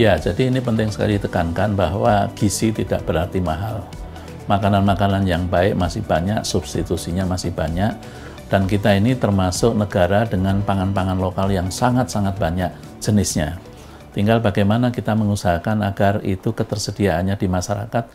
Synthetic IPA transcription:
jad͡ʒadiːnipənt̪ɪŋsə̥ka̰lit̪əkankanbaɦwa̰ɡ̥isit̪idaʔb̥əɾart̪imaɦal | makananmakananjaŋbaɪk̚masɪhb̥aɲaʔsub̥st̪it̪usiɲamasɪhb̥aɲaʔ̚ | d̥ank̬it̪ainit̪ərmasʊk̚nəɡ̥aɾadəŋanpaŋanpaŋanlokaljaŋsaŋat̪̚saŋat̪̚baɲaʔ | d͡ʒ̥ənɪsɲa | t̪iŋɡalbaɡajmanakit̪aməŋusaɦakanaɡarḭt̪ukət̪ərsədiaanɲadimaʃaɾa̰kat̪̚

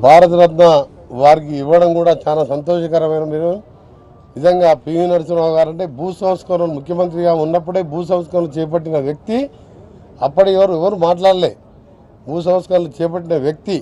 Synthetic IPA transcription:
bʱaːɾɐt̪ɐɾɐt̪nɐ | ʋaːɾik̬iːʋːɐɽɐmkuːɽaːt͡ʃaːnasɐnt̪oːʃɐkɐɾɐmɐjnɐmin | nizɐŋɡaːpiːʋinɐɾsunaːɡaːɾɐɳʈe̞ːbuːt̪sɐmɐt̪skɐɾɐlumukʰjɐmɐnt̪ɾiɡaːunːɐp̬ːuɽeːbʱuːt̪s̬ɐmɐskɐɾɐlut͡ʃɛːɐp̬ɐʈːinɐʋjɐk̚t̪i | ɐpːɐɽiɛʋɐɾuɛʋɐɾumaːʈ̬laːɽleː | buːs̬ɐmɐt̪skɐɾɐlut͡ʃɛːp̬ɐʈːinɐʋjɐk̚t̪i

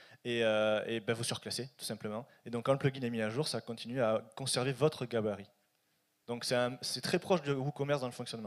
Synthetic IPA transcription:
eøebɛ̃vusyʁəklaset̪u̥sɛ̃pləmɑ̃ | ed̪ɔ̃kːɑ̃ləplœɡʲinɛmiɛʒuʁsaːkɔ̃t̪ʰinɥeakɔ̃sɛʁvevɔt̪χəɡabaʁi | d̪̥ɔ̃ksɛt̪ɛ̃sɛt̪χɛpχɔʃd̪əukɔmɛʁsd̪ɑ̃ləfɔ̃ksjɔnmɑ̃

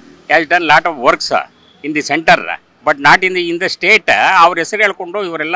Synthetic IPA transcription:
azɖɐnlaːʈɔːʋʋɐɾks | ind̪iseɳʈɐɾ̰ | bɐʈnaːʈind̪iind̪ɐsʈeːʈɐʋɐɾɦɛsɐɾuɦeɭkoɳɖoːiʋɐɾɛlːa

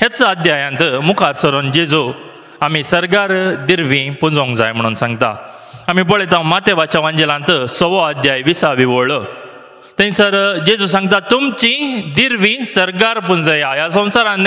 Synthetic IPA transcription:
het͡saəd̪jajãnt̪əmukʰaɾsəɾond͡ʑed͡zu | amisəɾɡaɾd̪iɾʋĩpund͡zõŋɡd͡za̰jm̤əɽ̃ːnsãŋɡt̪a̰ | amipɔɭet̪ãmat̪eʋat͡ɕaʋãɲd͡ʑelãnt̪əsɔʋɔad̪jajʋisaʋiʋɔɭə | t̪ẽnisəɾd͡ʑed͡zus̬ãŋɡ̚t̪at̪umt͡ɕĩd̪iɾʋĩsəɾɡaɾpund͡zəjajas̬ə̃w̃saɾãnːe

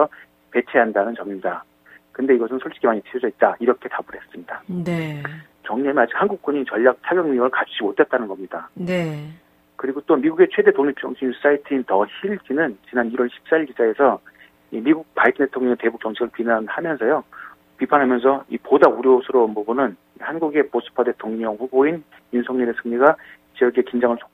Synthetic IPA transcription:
sʰʌ | pe̞t͡ɕʰeɦandanɯnt͡ɕʌmiɲida | kɯnde̞iɡʌsʰɯnsʰʌɭt͡ɕ͈i̥ɡʰimaɲipʰiod͡ʑʌit̚t͈aiɾʌkʰe̞tabɯɾɦe̞s͈ɯmɲidane | t͡ɕʌŋɲemiad͡ʑik̚hanɡuk̚k͈wʌɲit͡ɕʌʎːak̚t͡ɕʰaʎʌŋɲʌŋɯɭkat͡ɕʰud͡ʑimotʰet̚t͈anɯnɡʌmɲidane | kɯɾiɡot͈omiɡuɡe̞t͡ɕʰwe̞de̞toŋɲip̚t͡ɕ͈ʌŋɕʰius͈aitʰiintʌçiɭd͡ʑinɯnt͡ɕinaniɾwʌɭɕʰi̥p̚s͈aiɭkid͡ʑae̞sʰʌ | imiɡuk̚paitʰɯntdetʰoŋɲʌŋete̞buk̚t͡ɕ͈ʌŋt͡ɕʰiɡɯɭpinanhamjʌnsʰʌjo | pipʰanɦamjʌns̬ʰʌipodauɾjosʰɯɾonbubunɯn | ihanɡuɡe̞pos͈ʰɯ̥pʰade̞tʰoŋɲʌŋɸuboin | junsʰʌŋɲinesʰɯŋɲiɡa | t͡ɕʌɡʰekind͡ʑaŋɯɭt͡ɕo̥

